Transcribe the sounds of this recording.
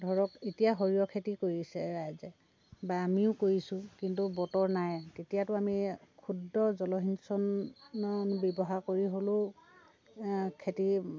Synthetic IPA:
dʱɔɹɔketijaɦoɹijɔkʰetikoɹisɛɹajzɛ | baːmiʊkoɹisʊ̃kintubɔtɔɹnajtetijatʊamikʰudɹɔzɔlɔɦinsɔnɔnbɔbɔɦaɹkoɹiɦolʊ | kʰeti

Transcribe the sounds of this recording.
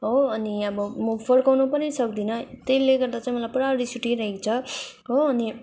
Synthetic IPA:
ɦoʌniʌbʌmʌpʰʌlkawnupʌɾisʌk̚d̪inʌt̪eleɡʌɾd̪at͡saĩmʌlajpʌɽaɾisuʈiɾʌɦekt͡sʰʌ | ɦoːni

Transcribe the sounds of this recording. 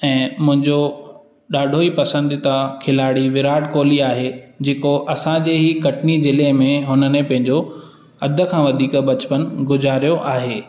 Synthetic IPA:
ɛ̃ːmʊ̃ɦɪ̃ɲd͡ʑo | ɗaːɖʱoipɐsə̃nd̪it̪akʰɪlaːɽiʋɪɾaːʈkoːliaːɦed͡ʑeːkoʔɐsãd͡ʑeːɦikɐʈnizɪlemẽɦʊnə̆nẽpɐ̃ɦɪ̃ɲd͡ʑo | ɐd̪ʱə̆kʰãːʋɐd̪ʱiːkbɐt͡ɕpənɡʊzaːɾijoʔaːɦeː

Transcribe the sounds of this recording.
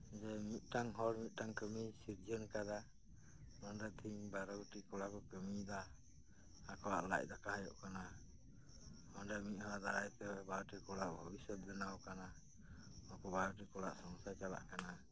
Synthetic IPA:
d͡ʒɛmit̪̚ˀʈaŋɦɔɾmit̪̚ˀʈaŋkəmisiɾd͡ʒɔnkaɾa | nɔnɖat̪ʰiɲbaɾɔɡʈikɔlakɔkəmid̪aː | kɔwa̰ʔla̰c̚ˀd̪akaɦajɔ̰ʔkana | ɔnɖamit̪̚ˀhɔd̪aajt̪ɛɛbaɾɔʈikɔɽaʔbʱɔbisɔd̪̚bɛnawkana | ɔkɔbaɾɔʈikɔla̰ʔsɔŋsajt͡ʃala̰ʔkana

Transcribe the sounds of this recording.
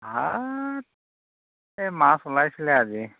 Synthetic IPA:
ɦa | emasolajslead͡zi

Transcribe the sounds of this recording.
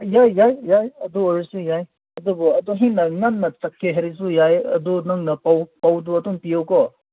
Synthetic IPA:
jajːajjajɐduoɾisujaj | ɐdubɔɐdɔɦinːɐŋanːɐt͡sɐkʰːeɦeɾis̬ujajɐ̰dunɐŋnɐpawpawduɐduŋpijawkɔ

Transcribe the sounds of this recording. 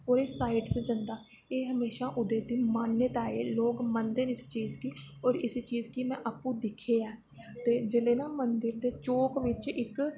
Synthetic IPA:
ɔːɾeːsaːiɖsd͡ʒənd̪aː | eːɦəmeːʃaːʔʊd̪eːd̪iːmaːnːət̪aːeːloːɡmənd̪eːnɪst͡ʃiːzkiːɔːɾɪst͡ʃiːzkimɛ̃ːʔapũːd̪ɪkʰeːɛː | t̪eːd͡ʒeːleːnaːmənd̪əɾd̪eːt͡ʃoːkʋɪt͡ʃɪk

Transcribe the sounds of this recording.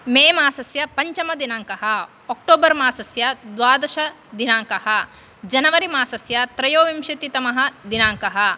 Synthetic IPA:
meːmaːsɐsjɐpɐɲt͡ʃɐmɐd̪inaːŋkɐɦɐ | ok̚ʈoːbɐɾmaːsɐsjɐd̪ʋaːd̪ɐʃɐ | d̪inaːŋkɐhɐ | d͡ʒɐnɐʋɐɾimaːsɐsjɐt̪ɾɐjoːʋimʃit̪it̪ɐmɐɦɐ̆d̪inaːŋkɐɦɐ̆

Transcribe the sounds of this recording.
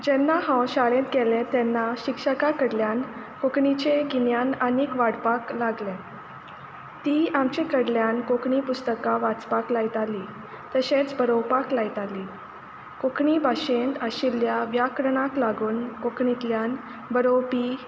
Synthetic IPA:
d͡ʑɛnːaɦãwɕaɭẽt̪ɡɛlẽt̪ɛnːaɕikʂəkakəɽljan | kokɳit͡ɕeɡinjanəniːkʋaɽpaklaɡlɛ̃ | t̪iamt͡ɕekəɽljankokɳipust̪əkaʋat͡spaklajt̪ali | t̪əɕẽt͡sbəɾowpaklajt̪ali | kokɳibʱaɕent̪əɕiljaʋjakɾəɳaklaɡuːnkokɳit̪ljan | bəɾowpi

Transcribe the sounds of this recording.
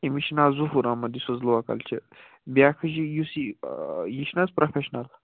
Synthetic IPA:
imiʃnazuɦuɾamɐd̪isɐzluwakɐ̰lt͡ʃʰi | bʲjaːkʰəʒijusijiʃnazpɾofeʃnɐl

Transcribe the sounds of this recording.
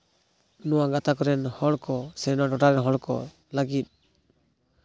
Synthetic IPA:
nɔwaɡat̪akɔɾɛnhɔɽkɔsɛnɔɖɔʈaɾɛnɦɔɽkɔ̰ | laɡit̪̚

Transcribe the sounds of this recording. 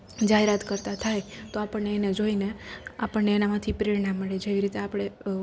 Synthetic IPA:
d͡ʒaɦeɾat̪kəɾt̪at̪ʰajt̪oapəɳneːned͡ʒoineapəɳneːnamãt̪ʰipɾiɾɳamːəɭed͡ʒeʋiɾit̪eapɽ̃e

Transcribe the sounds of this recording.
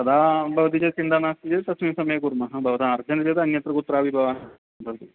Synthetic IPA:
sɐd̪aːbʱɐʋɐt̪id͡ʒɐt͡ʃind̪aːnaːst̪id͡ʒesɐsmiːsɐmɐjɐkuɾmɐɦɐbʱɐʋɐt̪aɐɾd͡ʒɐnd͡ʒeːt̪ɐnjɐt̪ɾɐkut̪ːɾaːbʱibʱɐʋaːɦɐ | bʱɐʋɐt̪i

